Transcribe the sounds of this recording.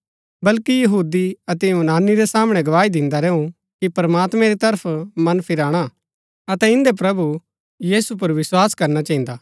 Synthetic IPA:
bɐlkijɐɦuːd̪iɐt̪ɛũnaːnːiɾesaːmɽ̃ɛɡɐʋaːid̪ɪ̃nd̪aɾɛːũ | kipɾɐmaːt̪mɛ̃ɾit̪ɐɾəpʰmɐnpʰɪɾaːɽ̃a | ɐt̪ɛɪ̃nd̪epɾɐbu | jiːsup̬ɐɾʋɪswaːskɐɾnat͡ʃaɦĩːnd̪aː

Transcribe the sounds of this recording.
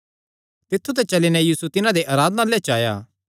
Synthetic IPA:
t̪ɪt̪ʰːut̪ɛt͡ʃɐlinɛjiːsut̪ɪnãd̪eʔaːɾaːd̪ənalɛt͡ʃaːja̰ː

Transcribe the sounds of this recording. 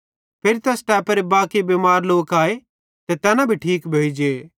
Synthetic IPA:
pʰeːɾit̪ɛsʈɛːpɾebaːkebemaːɾloːkaːe | t̪et̪ɛːnãbʱiʈʰiːkbʱeːid͡ʒe

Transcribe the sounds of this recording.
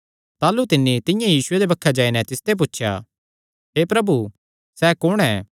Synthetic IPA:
t̪aːlut̪ɪnːit̪ɪ̃jãjiːsʊed̪ebɐkʰːad͡ʒaːinɛt̪ɪst̪ep̬ʊtːʃʰja̰ | ɦeːpɾɐbu | sɛːkʊɽ̃ɛː

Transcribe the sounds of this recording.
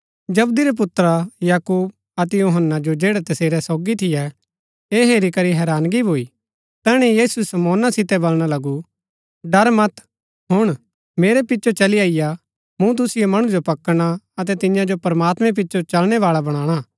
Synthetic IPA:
d͡ʒɐbd̪iɾɛp̬ʊt̪ːɾajaːkuːb̚ | ɐt̪ɛjoːɦənːad͡ʒod͡ʒeːɽɛt̪ɐseːɾɛsɔːɡit̪ʰɪjɛ | eːɦeːɾikɐɾiɦɛːɾaːnɡibʱoːi | t̪ɛːɽ̃ɛjiːsuɛsɐmɔːnasɪt̪ɛbɐlɽ̃alɐɡu | ɖɐɾmɐt̪ | ɦʊɽ̃ | meːɾɛpɪtːt͡ʃot͡ʃɐliaːɪja | mũt̪̬ʊsɪjomɐɽ̃ũd͡ʒopɐkɽ̃aɐt̪ɛt̪ɪjãd͡ʒopɐɾmaːt̪mɛ̃p̬ɪtːt͡ʃot͡ʃɐlɽ̃ɛʋaːɭabɐɽ̃ãːɽ̃a

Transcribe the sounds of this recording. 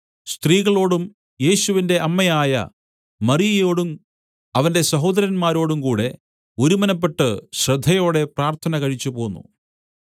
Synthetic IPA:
st̪riːɣɐɭo̞ːɽum | je̞ːɕuʋinde̞ʔɐmːɐjaːjɐ̰ | mɐrijɐjo̞ːɽum | ɐʋɐnde̞sɐɦo̞ːd̪ɐɾɐnmaːɾo̞ːɽumkuːɽe̞ | oɾumɐnɐpːe̞ʈːɨɕrɐd̪ʱːɐjo̞ːɽe̞praːrt̪ʰɐnɐkɐɻit͡ɕːupo̞ːnːṵ

